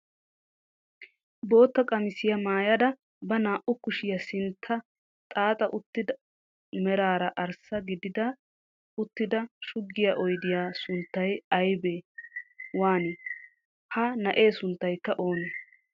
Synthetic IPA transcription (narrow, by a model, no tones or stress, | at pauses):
bo̞ːt̪ːɐkʼɐmɪsɪjɐmaːjɐd̪ɐ | bɐnaːʔʊkʊʃɪjɐsɪnt̪ʰːɐ | t̪ʼaːt̪ʼɐʔʊt̪ːɪd̪ɐ | mɛɾaːɾɐʔɐɾsɐɡɪd̪ɪd̪ɐ | ʊt̪ːɪd̪ɐʃʊɡːɪjɐʔɔjd̪ɪjaːsʊnt̪ːɐjɐjbeː | waːnɪ | hɐnɐʔe̞ːsʊnt̪ːɐjkːɐʔo̞ːneː